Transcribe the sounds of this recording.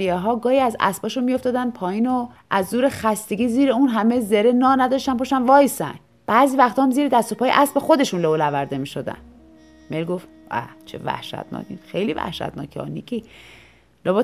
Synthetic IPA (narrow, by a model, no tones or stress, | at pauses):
ijeɦɒːɡɒːhiæzæ̰sbɒːʃunmio̞ft̪ɒːd̪ænpʰɒːjiːnoʔæzd̪uːɾe̞xæst̪e̞ɡʲiːziːɾeunɦæme̞zeɾe̞nɒːnæd̪ɒʃt̪ænpoʃænvɒːjsæ̰n | b̥æziːvæxt̪ʰɒːmziːɾed̪æst̪opɒːjeʔæsbe̞xo̞d̪e̞ʃunlovolævæɾd̪e̞miːʃo̞d̪æ̰n | melɡo̞ft̪æ̰t͡ʃʰḛvæ̰hʃæ̰t̪nɒ̰ːkinxe̞jlivæ̰hʃæ̰t̪nɒ̰ːkʰiɒ̰ːnikʰi | loboː